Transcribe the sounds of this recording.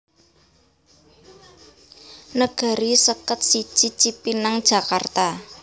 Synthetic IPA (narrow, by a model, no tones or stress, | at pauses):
nəɡ̥a̤ɾisəkət̪̚sit͡ʃit͡ʃipinaŋd̥ʒ̥a̤kart̪a